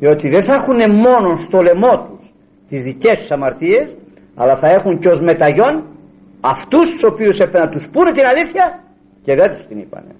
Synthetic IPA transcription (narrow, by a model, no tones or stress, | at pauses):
ðio̞t̪iðenθɐxune̞mo̞no̞nst̪o̞le̞mo̞t̪us | t̪izðice̞st̪u̥sɐmɐɾt̪ie̞s | ɐ̰lɐθɐe̞xuɲceo̞zme̞t̪ɐʝo̞n | ɐft̪ust̪u̥so̞piuse̞penɐt̪uspunet̪inɐliθçɐ | ce̞ðet̪u̥st̪inḭpɐ̰nḛ